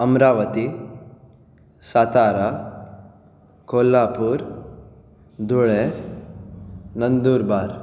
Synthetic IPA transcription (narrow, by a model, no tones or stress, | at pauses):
ɐmɾaːʋət̪i | sat̪aːɾa | koːlːaːpuːɾ | d̪uɭe | nɐnd̪uːɾbaːɾ